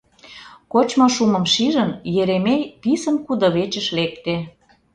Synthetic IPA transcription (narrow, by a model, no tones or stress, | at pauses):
kot͡ɕmoʃumə̆mʃiʒə̆njeɾemejpisə̆nkud̪ŏβet͡ɕə̆ʃlekt̪e